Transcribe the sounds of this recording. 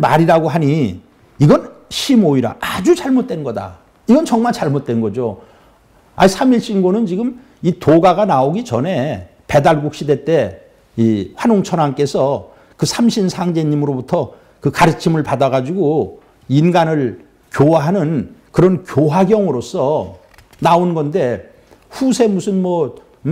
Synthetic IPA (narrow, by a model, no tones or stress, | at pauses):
maɾiɾaɡoɦaɲiː | ɡʌnɕʰimoiɾa̰ad͡ʑut͡ɕaɭmot̚t͈wenɡʌda̰ | iɡʌnt͡ɕʌŋmaɭt͡ɕaɭmot̚t͈wenɡʌd͡ʑo | a̰isʰamiɭɕ͈inɡonɯnt͡ɕiɡɯm | itoɡaɡanaoɡit͡ɕʌne̞ | pe̞daɭɡuk̚ɕ͈ʰide̞t͈e̞ | iɸwanoŋt͡ɕʰʌnwank͈e̞sʰʌ | kɯsʰamɕʰinsʰaŋd͡ʑe̞ɲimɯɾobutʰʌ | kɯkaɾɯt͡ɕʰimɯɭpadaɣad͡ʑiɡo | inɡanɯɭ | kjowaɦanɯnkɯɾʌnkjoɦaɡjʌŋɯɾos͈ʰʌ | naonɡʌnde̞ | ɸusʰe̞musʰɯnmʌ